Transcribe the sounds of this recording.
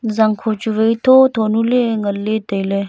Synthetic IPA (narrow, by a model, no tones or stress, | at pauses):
zɐŋkʰot͡ʃuʋeit̪ʰot̪ʰoːnuleŋəlːet̪əile